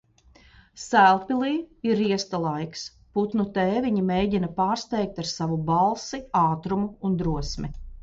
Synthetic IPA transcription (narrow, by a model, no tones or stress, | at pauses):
sælˠpilˠiːiɾiɛst̪alˠajks | put̪nut̪ɛːvʲiɲimejɟinɐpaːɾst̪ɛjk̚t̪aɾsavubalˠsiaːt̪ɾumuːnd̪ɾuɔsmi